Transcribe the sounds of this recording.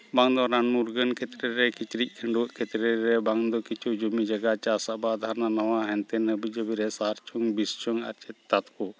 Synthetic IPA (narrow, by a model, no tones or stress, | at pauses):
baŋd̪ɔɾanmuɾɡənkʰɛt̪ɾɛɾɛkit͡ʃɾic̚ˀkʰəɳɖuʔkʰɛt̪ɾɛɾɛbaŋd̪ɔkit͡ʃʰud͡ʒumid͡ʒaɡat͡ʃasaʔbad̪ʱananawaɦɛnt̪ɛnhəbid͡ʒəbiɾɛsaɦaɾt͡ʃʰuŋbist͡ʃɔŋa̰ɾt͡ʃɛt̪t̪at̪ku